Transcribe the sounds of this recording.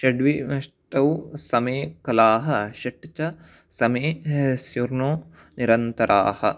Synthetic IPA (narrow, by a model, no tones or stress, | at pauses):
ʃɐɖʋimɐʂʈɐwsɐmeːkɐlaːɦɐʃɐʈːit͡ʃɐ | sɐmeːsjuɾnoː | niɾɐnt̪ɐɾʔa̰ːhɐ̰